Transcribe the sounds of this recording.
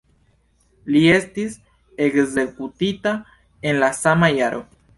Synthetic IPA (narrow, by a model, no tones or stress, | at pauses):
lie̞stis | ekze̞kutita | e̞nlasamajaɾʔo̰